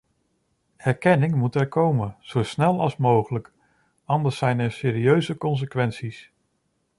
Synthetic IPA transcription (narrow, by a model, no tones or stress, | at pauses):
hɛɹkɛnɪŋmutɛɹkowmənz̥owsnɛlˠɑlˠsmowχələk | ɑndəɹsɛjnɛɹsɪːɾiøɥzəkɔns̬əkʋɛnsis